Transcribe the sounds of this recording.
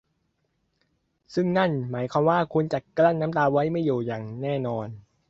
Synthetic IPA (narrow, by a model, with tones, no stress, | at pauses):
sɯ˥˩ŋna˥˩nmaː˩˦jkʰwaː˧mwaː˥˩kʰu˧nt͡ɕa˨˩kla˥˩nːaː˦˥mt̪aː˧wa˦˥jma˥˩juː˨˩jaː˨˩ŋnɛː˥˩nɔː˧n